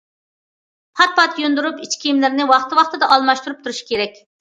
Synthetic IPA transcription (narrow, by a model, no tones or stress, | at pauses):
pʰɑt̪̚pʰɑt̪jond̪uɾupit͡ʃkʲijimlɪɾnɪwɑχt̪ʰɨwɑχt̪ɨd̪ɑʔɑlˠmɑʃt̪uɾup̚t̪ʰuɾuʃi̥kʲʰeɾɛkʲ